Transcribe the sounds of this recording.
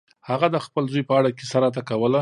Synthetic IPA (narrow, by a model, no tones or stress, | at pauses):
haɣad̪əxpəlzojpəaɽakesaɾat̪̬akawəla